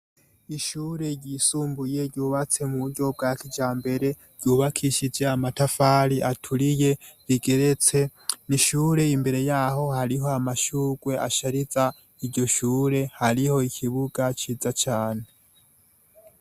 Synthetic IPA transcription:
iʃuːɾe̞ɟisuːmbuje̞ɾɟuːβat͡se̞muβuɾɟo̞b̚ɡaːkʰid͡ʒaːmbe̞ɾe̞ | ɾɟ̥uːβakʰiʃid͡ʒeamatafaɾiʔatʰuɾije̞ɾiɡe̞ɾe̞t͡se̞niʃuːɾe̞imbe̞ɾe̞jaːho̞haɾiɦo̞amaʃuːɡwe̞ʔa̰ʃaɾiza | iɾɟo̞ʃuːɾe̞haɾiho̞ikʰiβuɡat͡ʃiːzat͡ʃaːne̞

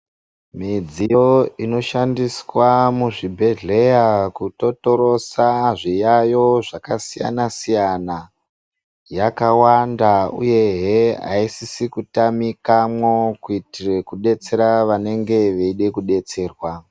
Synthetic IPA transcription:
mid͡zijoino̞ʃandiswamuʐibʱe̞ɮe̞jakuto̞to̞ɾo̞saʐijajo̞ʐakasija̰nasijana | jakawandaṵje̞ɦea̰isisikutamikamwo̞kuitire̞kuɗe̞t͡se̞ɾaʋane̞ŋɡe̞ʋeiɗekuɗe̞t͡se̞ːrwa

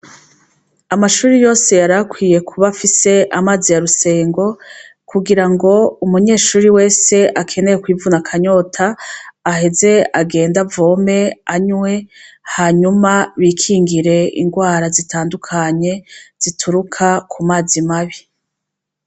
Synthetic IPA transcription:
amaʃuːɾijo̞ːse̞jaɾakwiːjekʰuβafise̞ʔamazijaɾuse̞ːŋɡo̞ | kuɡiɾaŋɡo̞umuɲe̞ːʃuːɾiwe̞ːse̞ʔakʰe̞ne̞jekwiːvunakʰaɲo̞tʰaːɦe̞ze̞aɡe̞ːndavo̞ːme̞aɲwe̞ | haɲumaβiːkʰiːŋɡiɾe̞ḭŋɡwaːɾazitʰaːndukʰaɲe̞z̥itʰuɾukʰakʰumaːzimaβi

